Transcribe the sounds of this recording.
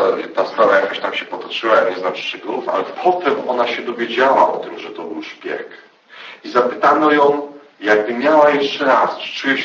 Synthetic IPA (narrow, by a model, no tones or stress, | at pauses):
t̪ast̪aɾajakaɕt̪amɕɛpɔt̪ɔt͡ʂɘwaɲɛznamʂt͡ʂɛɡufa̰lɛpʰɔt̪ɛmɔnaɕɛd̪ɔvʲjed͡ʑawaʔɔt̪ɘmʐɛt̪ɔbɘwʂpʲjɛ̰k | izapɘt̪anɔjɔ̃w̃ | jaɡ̚bɘmʲjawajɛʂt͡ʂɛɾast͡ʂɨ̥t͡ʂujɛɕ